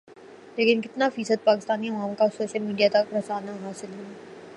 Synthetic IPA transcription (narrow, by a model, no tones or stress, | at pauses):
leːkɪnkɪt̪nafiːsəd̪̚paːkɪst̪aːniɐʋaːmkasoːʃəlmiːɖijat̪ɐkɾɐsaːnaɦaːsɪlɦua